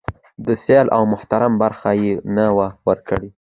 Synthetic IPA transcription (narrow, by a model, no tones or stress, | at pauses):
d̪əsjɑlʔa̰wmʊht̪aɾambaɾxajenawawəɾkəɽi